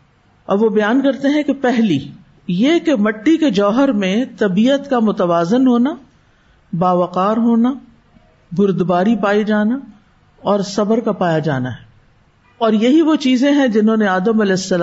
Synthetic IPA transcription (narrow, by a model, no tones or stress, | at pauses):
ɐbʋobɐjaːnkɐɾt̪eɦɛ̃kepɛɦli | jekemɐʈːiked͡ʒɔːɦəɾmẽt̪ɐbiːət̪kamʊt̪əʋaːzɪnɦoːna | baːʋɐqaːɾɦoːna | bʊɾd̪baːɾipaːid͡ʒaːna | ɔːɾsɐbəɾkapaːjad͡ʒa̰ːnaɦɛː | ɔːɾjɐɦiʋot͡ʃiːzẽɦɛ̃d͡ʒɪnɦõːneaːd̪əmɐlɛːɪsːɐl